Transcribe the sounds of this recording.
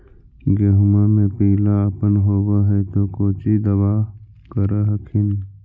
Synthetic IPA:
ɡeːɦʊmamẽpiːlaəpənɦoːwaɦɛt̪okoːt͡ʃid̪əbaː | kəɾaɦəkʰɪn

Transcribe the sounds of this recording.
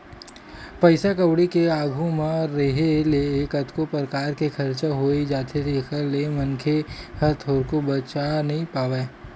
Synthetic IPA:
pəɪsakɐwɽikeaːɡʱumẽɔːɾːeɦeleːkɐt̪kopɾəkaːɾkekʰɐɾt͡ʃaɦoːed͡ʒaːt̪ʰeɾekəɾleːmɐnkʰehɐɾt̪ʰoːɾkobɐt͡ʃanɐɦĩpaːʋeː

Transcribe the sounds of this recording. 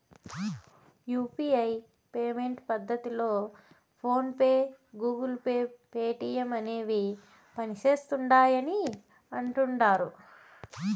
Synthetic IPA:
juːpiɐj | pe̞ːme̞ɳʈpɐd̪ʱːɐt̪ilo̞ː | pʰo̞ːnpeːɡuːɡulpeːpeːʈijɐmɐne̞ːʋi | pɐnit͡ʃe̞ːst̪uɳɖaːjɐni | ɐɳʈuɳɖaːɾu

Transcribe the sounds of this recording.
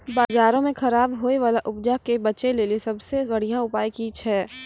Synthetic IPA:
baːzaːɾõmẽxɐɾaːbɦoːeʋaːlaʔʊbd͡ʒakebɐt͡ʃeleːlisɐbsebɐɽ̤ijãʊpaːikiːt͡ʃʰɛː

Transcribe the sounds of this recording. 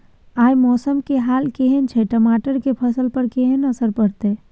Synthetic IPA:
aːjmɔːsəmkeɦaːlkeɦent͡ʃʰɛʈəmaːʈəɾkepʰəsəlpəɾkeɦənəsəɾpəɾt̪e

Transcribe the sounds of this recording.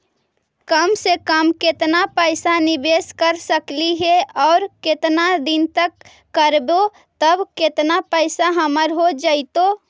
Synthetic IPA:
kəmsekəmkɪt̪napəɪsanɪbeːskəɾsəkliɦɛɔːɾkɪt̪nad̪ɪnt̪əkː | əɾbo | t̪əbkɪt̪napəɪsaɦəməɾɦod͡ʒəɪt̪oː

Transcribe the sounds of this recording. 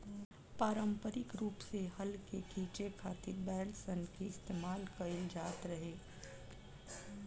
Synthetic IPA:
paːɾə̃mpəɾɪkɾuːpseɦɐlkekʰiːt͡ʃekʰaːt̪ɪɾbɛːlsənkeɪst̪eːmaːlkɐɪld͡ʒaːt̪ɾɐɦeː

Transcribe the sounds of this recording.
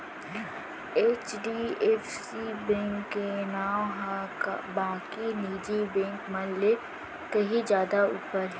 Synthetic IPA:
eːt͡ʃɖiefsibɛ̃ːŋkːenaːwɦakbãːkiniːd͡ʒibɛ̃ːŋkmɐlle | kɐɦid͡ʒjaːd̪auːpəɾɦɛː

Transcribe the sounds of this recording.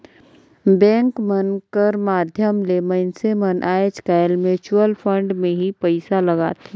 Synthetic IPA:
bɛ̃ːŋkmənkəɾmaːd̪ʱjəmleməɪnsemənʔaːeskaːjlmet͡ʃuəlfʰə̃ɳɖmẽɦipəɪsalɐɡa̰ːt̪e

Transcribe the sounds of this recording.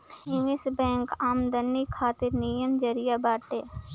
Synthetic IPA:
ɪwɪsbɛ̃ːŋkaːmd̪ənːikʰaːt̪ɪɾnijəmd͡ʒɐɾijabaːʈe

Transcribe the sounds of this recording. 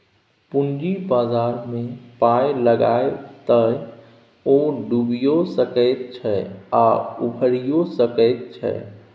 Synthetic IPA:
pund͡ʒibaːzaːɾmẽpajləɡaet̪əj | oɖubijosəkəɪt̪̚t͡ʃʰɛaubʱəɾijosəkəɪt̪̚t͡ʃʰɛ̰

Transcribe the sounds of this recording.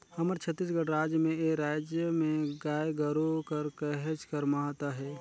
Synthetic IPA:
həməɾt͡ʃʰət̪ːisɡəɽɾaːd͡ʒjəmẽeɾaːd͡ʒjəmẽɡaːjɡəɾokəɾkəɦət͡ʃkəɾmaːt̪aɦɛː

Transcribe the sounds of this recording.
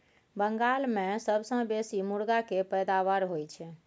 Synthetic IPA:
bəŋɡalmesəbʱsə̃besimuɽɡakepəjd̪aʋaɾɦojt͡ʃʰɛ

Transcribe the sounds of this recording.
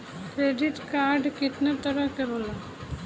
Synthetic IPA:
kɾeːɖɪt̪kaːɾɖkɪt̪nat̪əɾəkəɾola

